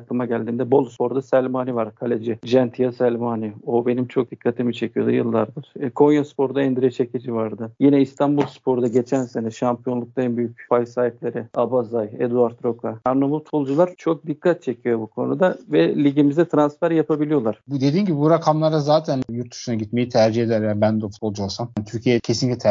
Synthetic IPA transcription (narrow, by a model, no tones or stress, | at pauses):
aklˠɯmaɟælʲd̪iːnd̪ɛbo̞lˠspʰo̞ɾd̪asælʲmanivaɾkʰalʲed͡ʒɪd͡ʒɛnt̪ʰijasælʲmaːnio̞be̞nimt͡ʃʰo̞k̚d̪̥ikʰːat̪ʰimit͡ʃʰecʰijo̞d̪ujɯlˠːaɾd̪ɯɾ̥kʰo̞njaspʰo̞ɾd̪aɛnd̪iɾet͡ʃʰecʰed͡ʒivaɾd̪ɯjinɛist̪ʰanbulˠspʰo̞ɾud̪aɟe̞t͡ʃʰænse̞nɛʃampʰijo̞nlˠuk̚t̪ˠaɛnbyjyc̚ʲfajsaːiplʲe̞ɾɪabazajɛ̰d̪uaɾt̪ɾo̞kʰaaɾnomut̪ʰbo̞lˠd͡ʒulˠaɾt͡ʃʰo̞k̚d̪ikʰːat̪̚t͡ʃʰe̞cʰijo̞bukʰo̞̰nṵd̪avɛlʲiɟimizd̪ɛt̪ʰɾansfæɾjapʰabilʲijo̞lˠaɾ̥bud̪e̞d̪iːnɟibibuɾakʰamlˠaɾazaːt̪ʰænjuɾt̪̚d̪y̥ʃunaɟit̪me̞jit̪ʰæɾd͡ʒihed̪æɾjanbænd̪fu̥t̪̚bo̞lˠd͡ʒuolˠsamnt̪ʰyɾcʰijecʰesinʲiclʲit̪ʰ